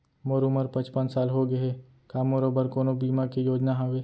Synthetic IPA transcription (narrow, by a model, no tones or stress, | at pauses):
moɾuməɾpɐ̃t͡ʃpə̃nt͡ʃsaːlɦoɡɐe | kaːmoɾoːbəɾkoːnobiːmakijoːd͡ʒnaɦaweː